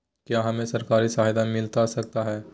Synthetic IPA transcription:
kjaɦɐmẽsɐɾkaːɾisaɦjd̪amɪlt̪asɐk̚t̪aɦɛː

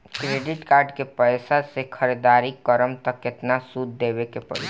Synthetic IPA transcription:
kɾeːɖɪʈkaːɾɖkepɛɪsasekʰəɾed̪aːɾikəɾəmt̪əkːɪt̪nasud̪ːeːbekepə̰ɽḭ

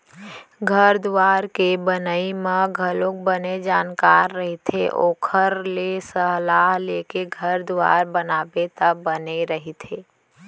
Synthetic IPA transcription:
ɡʱəɾd̪ʊʋaːɾkebənəimãɡʱəlõk̚bəned͡ʒaːnkaːɾːəɦet̪ʰḛʔoːkʰəɾlesəɦlaːɦleːkeɡʱəɾd̪ʋa̰ːɾbənaːbet̪əbbəneɾəɦit̪ʰeː

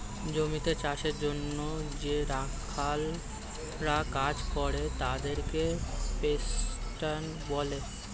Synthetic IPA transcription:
d͡ʑomit̪et͡ɕaʃeɾd͡ʑonːod͡ʑeɾakʰːal | ɾakad͡ʑkɔɾet̪ad̪eɾkepesʈan | bɔle

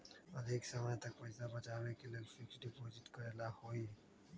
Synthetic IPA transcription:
ɐd̪ʱɪksəməjt̪ɐkpɐd͡ʒd̪abɐt͡ʃaːʋekelelfɪksɖɪpoːzɪʈ̪kɐɾelahoːi

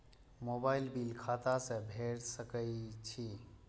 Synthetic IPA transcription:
mobailbilkʰat̪asẽbʱeɾsəkəjt͡ʃʰi

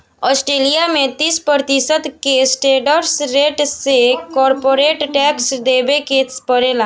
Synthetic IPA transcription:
ɔsʈɾelijamẽt̪iːspəɾt̪isət̪kesʈeɖəɾsɾeʈsekɔɾpoɾeʈʈɛksd̪ebekespəɾela

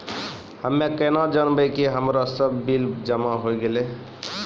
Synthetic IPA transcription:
həmːẽkənad͡ʒənbəjkeɦəmɾasəbːild͡ʒəmaɦojɡele

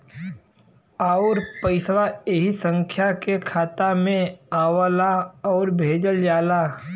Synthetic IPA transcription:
aʊɾpəɪswaeɦisə̃ŋkʰjakekʰaːt̪amẽaːwəlaɔːɾbʱeːd͡ʒəld͡ʒaːlaː

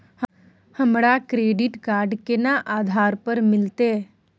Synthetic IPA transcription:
h | həmɽakɾeːɖɪʈkaːɾɖkenaʔaːd̪ʱaːɾpəɾmɪlt̪eː

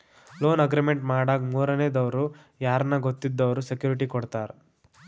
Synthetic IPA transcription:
lo̞ːnɐɡɾimeɳʈmaːɽaːɡmuːɾɐneːd̪ɐʋɐɾu | jaːɾɐnɐɡot̪ːid̪ːɐʋɐɾusekjuːɾiʈikɔɽt̪aːɾ

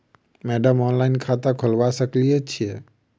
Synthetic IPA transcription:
mɛɖəmɔnlaɪnkʰat̪akʰolbasəklijɛt͡ʃʰijɛ

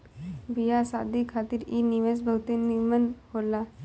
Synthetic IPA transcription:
bijasad̪ʱikʰat̪iːɾiniʋesbʱəwt̪eniɾmənhola

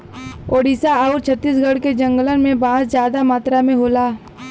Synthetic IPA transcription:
oːɖisaaʊɾt͡ʃʰət̪ːiːs̬ɡəɽked͡ʒə̃ŋɡələnmẽbãːd͡ʒzjaːd̪amaːt̪ɾamẽɦoːlaː

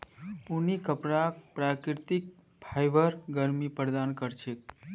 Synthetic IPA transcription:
punikəpɾakpɾakɾɾt̪ik̚ | pʰajʋəɾɡəɾmipəɾd̪ankəɾt͡ʃʰek

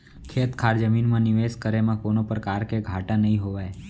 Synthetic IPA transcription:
kʰeːt̪kʰaːɾd͡ʒəmiːnmãnɪʋeːskəɾemãkonopɾəkaːɾkeɡʱaʈãnəɦĩɦoʋaːe

